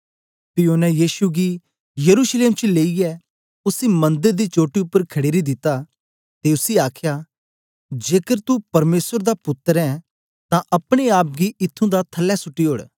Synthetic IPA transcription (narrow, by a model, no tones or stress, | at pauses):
pɪoːnɛ̃jiːsuɡi | jɐɾusleːmt͡ʃileːiɛ | ʊsimɐ̃nd̪əɾd̪it͡ʃoːʈːiʊpːəɾkʰɐɽeːɾid̪ɪt̪ːa | t̪eʊsiaːkʰja | d͡ʒeːkəɾt̪upɐɾmeːsəɾd̪apʊt̪ːəɾɛ̃ | t̪ãʔɐpɽ̃eaːp̚ɡiɪt̪ʰːũd̪at̪ʰɐlːɛsʊʈːiɦoːɽ